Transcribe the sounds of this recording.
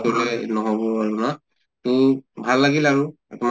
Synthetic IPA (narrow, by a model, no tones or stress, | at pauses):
olɛnɔɦɔbɔaɹuna | tuĩbʱalːaɡilaɹu | tʊm